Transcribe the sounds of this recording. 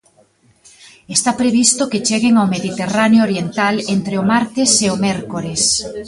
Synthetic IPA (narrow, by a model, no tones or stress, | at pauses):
est̪apɾeβist̪ʊket͡ʃeɣeŋawmeðit̪eranjooɾjent̪alent̪ɾeʊmaɾt̪ɪseomɛɾkoɾes